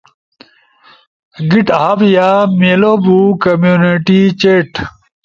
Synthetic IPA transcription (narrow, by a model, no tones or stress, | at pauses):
ɡiʈɦabjameloːbukɐmjuːniʈit͡ɕeːʈ